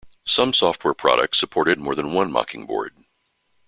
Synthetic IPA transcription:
sʌ̃msɔft̚wɛɹpʰɹ̥ɑ̰ɾɨ̰k̚tsəpʰɔɹɾɨd̚mɔɹðɨ̃nwʌ̃nmɑ̰kɪ̃ŋbɔ̰ɹd̥̚

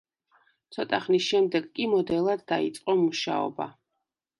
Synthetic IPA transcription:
t̪sʰɔt̪ʼaχnisʃɛmd̪ɛɡkʼimɔd̪ɛlˠad̪ːaḭt̪sʼqʼɔmuʃa̰ɔ̰ba̰

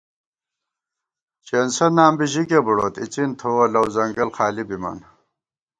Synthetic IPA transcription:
t͡ɕeːnsɐnaːmbiʑikebuɽoːt̪it͡ɕint̪ʰowɐlɐwzɐŋɡɐlxaːlibimɐ̰n

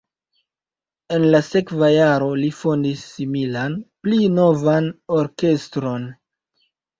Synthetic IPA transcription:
e̞nlase̞kvajaɾo̞lifo̞ndisːimilanplino̞vano̞ɾke̞stɾo̞n

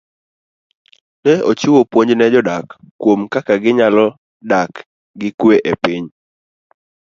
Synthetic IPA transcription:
nɛot͡ʃɪwopwoɲd͡ʒnɛd͡ʒɔdakː | womkakaɡɪɲalɔ | dak | ɡɪkweʔepɪɲ

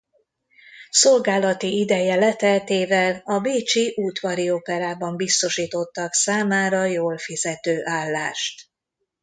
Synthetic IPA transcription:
so̞lɡaːlɒt̪iid̪ɛjɛlɛt̪ɛlt̪eːvɛlɒbeːt͡ʃiʔuːt̪ʋɒɾiopɛɾaːbɒmbist̪o̞ʃiːt̪ot̪ːɒksaːmaːɾɒjoːlfizɛt̪øːʔaːlːaːʃt̪

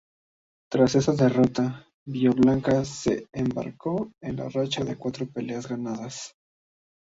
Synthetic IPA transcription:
t̪ɾase̞saðe̞ro̞t̪a | βioβlaŋkase̞emba̰ɾko̞enla̰rat͡ʃaðe̞kwat̪ɾo̞pe̞le̞azɣanaðas

